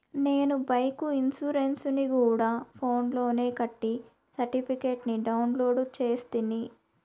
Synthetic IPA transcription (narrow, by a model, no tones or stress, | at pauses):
neːnubɐjkuinsuɾensunikuːɽaːpʰo̞ːnlo̞ːne̞ːkɐʈːi | sɐɾʈipʰikeːʈniɖɐwnlo̞ːɖt͡ʃe̞ːst̪ini